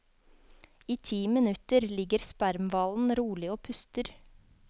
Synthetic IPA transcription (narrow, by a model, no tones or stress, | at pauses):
iːt̪ʰiːmɪnʉt̪əɾlɪɡəɾspæɾmʋɑːln̩ɾuːlɪoːpʰʉst̪əɾ